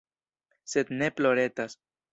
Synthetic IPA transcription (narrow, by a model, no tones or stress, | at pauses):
se̞d̪ne̞plo̞ɾe̞tas